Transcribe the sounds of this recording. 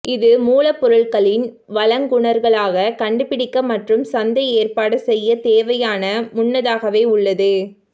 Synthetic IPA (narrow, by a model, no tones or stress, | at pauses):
ʔɪðɯmuːlɐpːɔɾɯɭkɐɭɪn | ʋɐlɐŋɡʊɳɐɾɣɐɭaːɣɐkɐɳɖɯpɪɽɪkːɐmɐʈrɯmsɐnd̪ɐeːrpaːɽɯsɛjːɐt̪eːʋɐjaːnɐmʊɳːɐðaːɣɐʋeːʊɭːɐðɯ